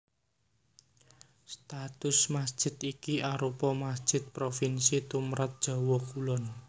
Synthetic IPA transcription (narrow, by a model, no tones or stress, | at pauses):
st̪at̪ʊsmasd̥ʒ̥ɪ̤t̪ikiaɾupɔmasd̥ʒ̥ɪ̤t̪̚pɾofinsit̪umɾʔat̪̚d̥ʒ̥ɔ̤wɔkulɔn